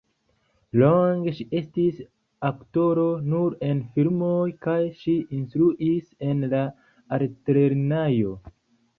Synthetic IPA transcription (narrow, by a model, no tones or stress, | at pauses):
loŋɡeʃiʔe̞stis | akto̞ɾo̞nuɾe̞nfiɾmo̞jkajʃiinstɾuʔise̞nla | aɾtɾeɾnajo̞